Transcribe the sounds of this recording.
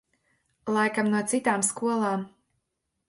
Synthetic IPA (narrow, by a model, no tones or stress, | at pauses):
lˠajkamnuɔt̪sit̪aːmskuɔlˠaːm